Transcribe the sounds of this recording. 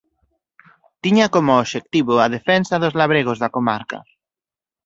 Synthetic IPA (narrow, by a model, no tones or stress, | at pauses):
t̪iɲakomoːʃek̚t̪iβoaðefɛnsaðozlaβɾeɣ̞ozðakomaɾka̰